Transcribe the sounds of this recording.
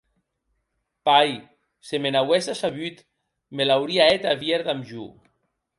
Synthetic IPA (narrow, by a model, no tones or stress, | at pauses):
paj | semenawesasaβyt̪ | melawɾiaet̪aβjeɾðamʒṵ